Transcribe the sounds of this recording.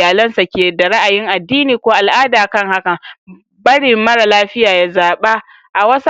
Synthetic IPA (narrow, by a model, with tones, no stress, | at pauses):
jaː˨lɐ˦nsa˨kʲeː˨da˨ɽa˦ʔa˨jɪ˦ŋʔa˨dːiː˦niː˨kʷoː˦ʔa˨lʔaː˦daː˨kɐ˦ŋha˦kɐa˨ŋ | bɐ˦ɽɪ˨mːɐ˦ɽa˨laː˦ɸɪ˦jaː˨ja˦zaː˨ɓa˦ | ʔa˨wɐ˦s